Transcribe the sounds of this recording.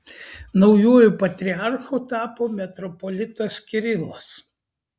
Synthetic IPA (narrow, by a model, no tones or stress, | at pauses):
nɒʊjuɔjʊpɐt̪ʲɾʲɪɑɾxʊt̪ɑːpoːmʲɛt̪ɾɔpɔlʲɪt̪ɐskʲɪɾʲɪlˠɐs